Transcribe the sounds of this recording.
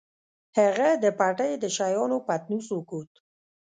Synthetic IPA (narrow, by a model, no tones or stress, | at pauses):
haɣad̪əpaʈəjd̪əʃajɑnopat̪nusukut̪